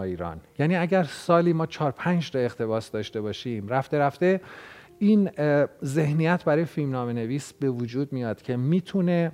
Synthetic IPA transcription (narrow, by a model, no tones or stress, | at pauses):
iːɾɒ̰ːnjæniːæɟæɾsɒːliːmɒːt͡ʃʰɒːɾpʰænd͡ʒɾɒe̞χt̪ʰe̞βɒːsd̪ɒːʃt̪e̞bɒːʃimɾæft̪e̞ɾæft̪e̞ | inze̞hnijæt̪ʰbæɾɒːjefilmnɒːme̞ne̞viːsb̥e̞vud͡ʒuːd̪mijɒːd̪̥cʰe̞miːt̪ʰune̞